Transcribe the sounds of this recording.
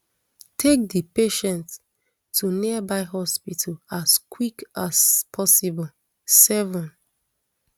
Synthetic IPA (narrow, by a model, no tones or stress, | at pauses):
tʰek̚dipeʃɛ̃nts | tʰːunibaɪɦɔspitʰəlaskʰwikaspʰɔsibɔl | sɛvɔ̃n